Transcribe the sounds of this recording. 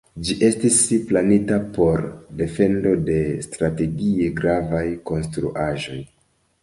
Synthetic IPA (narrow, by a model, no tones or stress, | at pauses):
d͡ʒiʔe̞stisplanitapo̞ɾde̞fe̞ndo̞de̞stɾate̞ɡie̞ɡɾavajko̞nstɾṵʔaʒo̞j